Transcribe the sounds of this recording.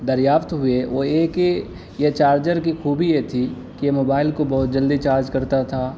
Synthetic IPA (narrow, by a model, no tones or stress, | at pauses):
d̪ɐɾjaːft̪ɦʊeʋoeːke | jet͡ʃaːɾd͡ʒəɾkixuːbijet̪ʰi | kijemoːbaːɪlkobɔɦʊt̪̚d͡ʒɐld̪it͡ʃaːɾd͡ʒkɐɾt̪at̪ʰaː